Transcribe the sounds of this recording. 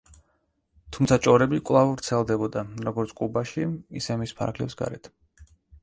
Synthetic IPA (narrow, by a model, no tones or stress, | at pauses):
t̪ʰumt̪sʰat͡ʃʼɔɾɛbikʼwlˠavvɾt̪sʰɛlˠd̪ɛbɔd̪aɾɔɡɔɾt̪sʰkʼubaʃiḭsɛmispʰa̰ɾkʰlɛ̰psɡa̰ɾɛt̪ʰ